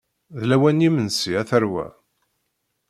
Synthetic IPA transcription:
ðlæwænimənsiæθəɾwæ̰

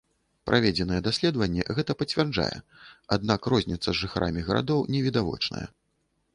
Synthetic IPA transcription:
pɾʔavʲɛd͡zʲɛnɨjɛd̪asʲlʲɛd̪vɐnʲːɛ̰ɣɛt̪ɐpɐt͡sʲvʲɛrd͡ʐa̰jɛ̰ | ad̪̚nakrɔzʲnʲit̪sːɐzʐɨxaɾʔa̰mʲiɣɐɾa̰d̪ɔwnʲɛvʲid̪avɔ̰t͡ʂnɐ̰jɛ̰

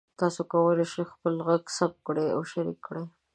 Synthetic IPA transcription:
t̪ɑsokawəleʃejxpəlɣaɡsap̚kɽea̰wʃaɾḭkːɽe

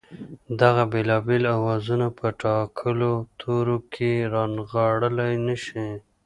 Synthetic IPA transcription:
d̪aɣabelɑbelawɑzunapəʈɑkʰəlot̪ʰoɾokʰeɾɑnɣɑɽəlajnəʃi

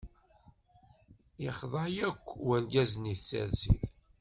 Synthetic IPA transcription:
jəχðˤɑjækʷːwælɡæzniθt͡sːæ̰ɾsḭθ

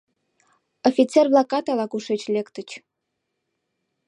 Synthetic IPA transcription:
ofʲit͡serblˠɑkɑt̪ɑlˠɑkuʂet͡ɕlʲekt̪ə̆t͡ɕ

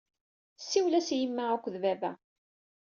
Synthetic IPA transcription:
sːiwlæsjəmːæækʷːðvævæ

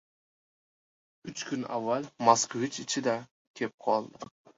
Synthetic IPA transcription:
yt͡ʃkʲʰyna̰vːalmaskʰovit͡ʃɪt͡ʃʰɪd̪ɛ | kʲʰep̚qʰɒlˠd̪ə

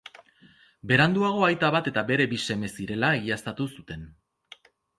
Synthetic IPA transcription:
be̞ɾand̪uaɣ̞o̞ajt̪aβat̪e̞t̪abe̞ɾe̞bise̞me̞siɾe̞laeɣiast̪at̪usut̪e̞n

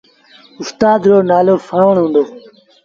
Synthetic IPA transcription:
ʊst̪aːd̪ɾoːnaːloːfʰəɳʋəɳ̃ɦũːnd̪oː

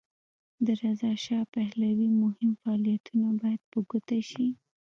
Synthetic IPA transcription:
d̪əɾazɑʃɑpahlawimʊhɪmfaːlijat̪unabɑjad̪̥̚pəɡʊt̪aʃi

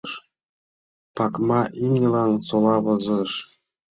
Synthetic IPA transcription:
ʃ | pɑkmɑʔimnʲelɑnsolɑβɤ̆zɤ̆ʃ

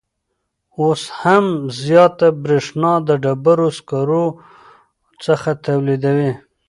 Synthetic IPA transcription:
oshamzjɑt̪abɾeʂnɑd̪əɖabaɾoskɑɾo | t͡səxat̪awlid̪awi

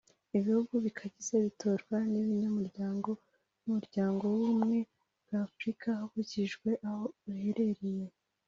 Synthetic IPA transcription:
iβihuɡuβikʰaɟiz̥eβitʰo̞ɾɡwaniβiɲomuɾɟaːŋɡo̞ | uumuɾɟaːŋɡo̞wumŋe̞ | b̥̚ɡafɾikʰahaβuciʒɡwe̞ʔaho̞βuhe̞ɾe̞ɾije̞

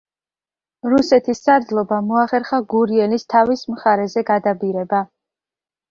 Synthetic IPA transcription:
ɾusɛt̪ʰisːaɾd̪zlˠɔbamɔaχɛɾχaɡuɾiɛnist̪ʰavismχaɾɛzɛɡad̪abiɾɛba

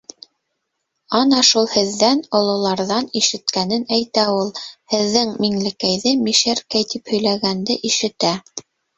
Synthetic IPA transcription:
ɑnɑʃulˠhɘ̆ðːænŏlˠŏlˠɑɾðɑniʃɘ̆t̪kænɘnæjt̪æulˠhɘ̆ðːɘŋmiŋlɘ̆kæjðɘmiʃæɾkæjt̪iphɵ̆jlæɣænd̪ɘʔiʃɘ̆t̪æ

